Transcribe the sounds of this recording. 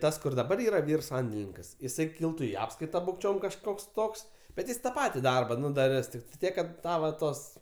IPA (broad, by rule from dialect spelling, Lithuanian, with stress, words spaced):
ˈtɐs kʊr dɐˈbɐr ˈiːrɐ ˈʋʲiːr ˈsɐnʲdʲɛlʲɪnʲɪŋkɐs ɪˈsɐɪ ˈkʲɪlˠtʊ ɪ ˈɑːpskɐɪtɐ bʊkˈt͡ʃʲoːm kɐʃˈkoːks ˈtoːks bʲɛt ˈjɪs tɐ ˈpɑːtʲɪ ˈdɐrbɐ ˈnʊ dɐˈrʲɪs tʲɪktɐɪ ˈtʲiɛk kɐt ˈtɐ ʋɐ ˈtoːs